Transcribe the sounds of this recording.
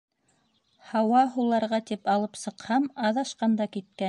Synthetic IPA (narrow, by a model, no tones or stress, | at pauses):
hɑwɑɦulˠɑɾʁɑt̪ipɑlˠɤpsɤ̆qhɑmɑðɑʃqɑnd̪ɑkit̪̚kæ